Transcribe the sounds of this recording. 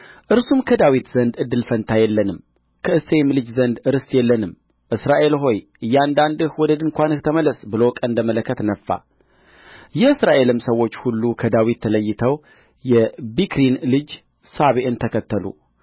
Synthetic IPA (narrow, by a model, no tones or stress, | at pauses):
ʔɨɾsumkʰəd̪awit̪z̥ənd̪ɨd̪ːɨlfənt̪ʰajɛlːənɨm | kʰəɨsemlɨd͡ʒzənd̪ɨɾɨst̪jɛlːənɨm | ʔɨsɾaʔe̞lɦo̞jʔɨjːand̪and̪ɨhwɔd̪əd̪ɨŋkʷanɨht̪ʰəmələsbɨlokʼənd̪əmələkʰːət̪nəfːa̰ | jɛɨsɾaʔe̞lɨmsəwːo̞t͡ʃːhulːukʰəd̪awit̪ʰːələjːɪt̪ʰəw | jɛbikɾinlɨd͡ʒ | saβeʔɨnt̪ʰəkʰət̪ːəlṵ